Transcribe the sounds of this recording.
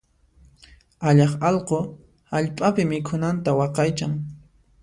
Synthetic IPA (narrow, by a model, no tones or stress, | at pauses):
aʎɑχɑlqo | haʎpʼapɪmɪkʰʊnant̪awɑqɑjt͡ʃaŋ